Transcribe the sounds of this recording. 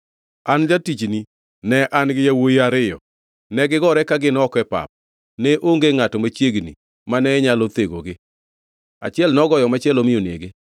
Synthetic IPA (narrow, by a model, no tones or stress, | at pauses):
and͡ʒatit͡ʃni | nɛʔanɡɪjawojiaɾɪjɔ̰ | nɛɡɪɡɔɾɛkaɡɪnɔkɛpa̰p̚ | nɛʔoŋɡeŋatɔmat͡ʃjeɡnḭ | manɛɲalɔt̪eɡoɡɪ | a̰t͡ʃɛlnɔɡɔjɔmat͡ʃɪɛlomɪjonḛɡe